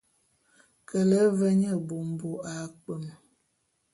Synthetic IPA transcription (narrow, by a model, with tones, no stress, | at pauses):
kə˨lə˦və˦ɲə˦˨bo˨m̩˨bo˦a˨k͡pə˨m